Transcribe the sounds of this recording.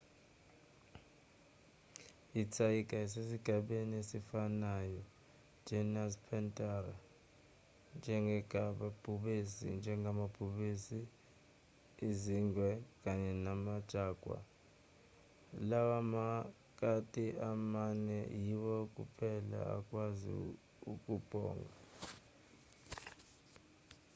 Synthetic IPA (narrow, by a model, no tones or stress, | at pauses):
it͡sʰajikʼaisesiɡ̥ʱaɓeniesifanajɔ̥ | d͡ʒ̥ʱɛnaspʰɛntʼara | nd͡ʒʱɛŋɡʱɛɡ̥ʱaɓab̥ʱuɓisḭnd͡ʒʱɛŋɡʱamab̥ʱuɓisi | iziŋwɛk̬ʼaɲɛnamad̥ʒ̥ʱaːɡ̥ʱwa̰ | lawama | k̬ʼatʼiamanɛ̰jiwɔk̬ʼṵpʰɛla̰a̰kʼwazḭ | ukʼub̥ʱɔ̰ːŋɡʱa